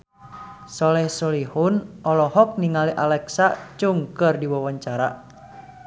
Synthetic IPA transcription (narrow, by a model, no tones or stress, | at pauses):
sɔlɛhsɔlihunʔɔlɔɦɔk̚niŋaliʔalɛksat͡ʃuŋkɨrdiwawaɲt͡ʃaɾa̰